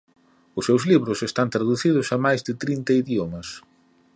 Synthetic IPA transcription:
ʊsːewzliβɾʊsest̪ant̪ɾaðuθiðʊsɐmajzðɪt̪ɾint̪ɐiðjomɐs

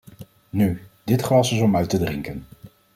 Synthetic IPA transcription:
nydɪtχlɑsɪsɔmœɥtədrɪŋkən

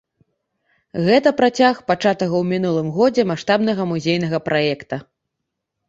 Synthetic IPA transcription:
ɣɛt̪ɐpɾat͡sʲaxpat͡ʂat̪ɐɣɐwmʲinulˠɨmɣɔd͡zʲɛmaʂt̪abnɐɣɐmuzʲejnɐɣɐpɾʔajɛkt̪ɐ

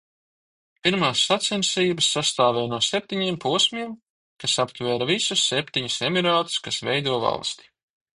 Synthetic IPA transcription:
piɾmaːsːat̪sɛnsiːbɐsːast̪aːvɛːnuɔsɛp̚t̪ʲiɲiɛmpuɔsʲmʲiɛm | kasapt̪vɛːɾavisusːep̚ʲt̪iɲusɛmiɾaːt̪u̥skasvɛjd̪uɔva̰lˠst̪i̥

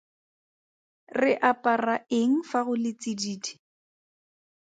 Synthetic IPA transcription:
rɪʔapʼaraeŋ̩faɣʊlɪt͡sidiːdi̥

